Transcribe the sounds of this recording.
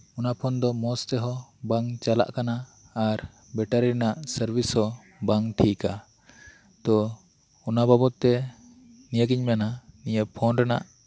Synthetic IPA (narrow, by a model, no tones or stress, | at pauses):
unapʰɔnd̪ɔmɔst̪ɛɦɔbaŋt͡ʃala̰ʔkanaː | ɾ | bɛʈaɾiɾnaʔsəɾbʱishɔ | baŋʈʰika | t̪ɔ | unababɔt̪ːɛ | nijəɡiɲmananijəpʰɔnɾɛna̰ʔ